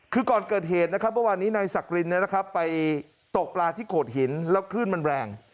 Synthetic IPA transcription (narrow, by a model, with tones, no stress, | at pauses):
kʰɯː˧kɔː˨˩nkɤː˨˩t̪̚ɦeː˨˩t̪̚na˦˥kʰa˦˥p̚mɤ˥˩waː˧nːiː˦˥naː˧jsa˨˩k̚ɾi˧nːi˦˥˩la˦kʰa˦˥pːa˧j | t̪o˨˩k̚plaː˧t̪ʰiː˥˩kʰoː˨˩t̪̚ɦi˩˦nlɛː˦˥wkʰɾɯː˥˩nma˧nɾɛː˧ŋ